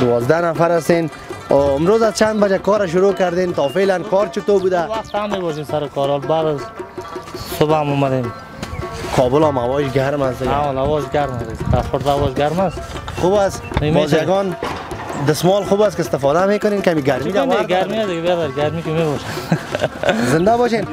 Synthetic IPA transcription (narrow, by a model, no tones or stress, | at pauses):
d̪ʊwɔzd̪anafaɾast̪en | ɪmɾoːzazt͡ʃʰand̪bad͡ʒakɔːɾaʃ̬ʊɾokaɾd̪ent̪ɔːfeːlankɔːɾt͡ʃʊt̪obud̪awaxt̪amːebɔʃimsaɾɪkʰɔɾɔlbaːd̪az | sʊbamɔmad̪em | kʰɔbʊlɔːmawɔːʃɡaɾmasd̪ɪɡaɔlawɔʒɡaɾmasd̪ɪɡt̪axʊɾlawɔd͡ʒɡaɾmasxubas | mbɔzjaɡɔn | d̪ɪsmɔlxuːbaskɪst̪ɪfɔd̪ameːkʊnenkamiɡaɾmid̪anɡaɾmiasd̪ɪɡabed̪aɾɡaɾmikimebɔʃan | zɪnd̪abɔʃen